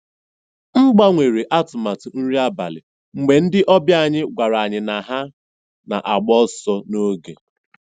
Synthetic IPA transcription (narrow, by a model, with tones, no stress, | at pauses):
ŋ͡m̩˦ɡ͡ba˦ŋʷe˨ɾe˨ʔa˦tʊ˨ma˨tʊ˨n̩˦ɾi˦a˦ba̰˨lɪ̰˨ | ŋ͡m̩˨ɡ͡be˨n̩˦dɪ˦ʔɔ˦bja˦˨ɲɪ˦ɡʷa˨ɾa˨ɲɪ˨na˨ɦa˦ | na̰˨ʔa˨ɡ͡bɔ˦sɔ˦no˦ɡḛ˨